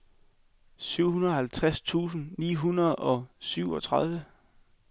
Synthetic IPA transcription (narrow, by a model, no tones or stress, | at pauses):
syʊ̰hunɐðˠhælt͡sʰʁast͡sʰṵːs̬n̩nḭːɦunɐð̩ˠɒ̽syʊ̰ɒ̽t͡sʰʁað̞ˠʋə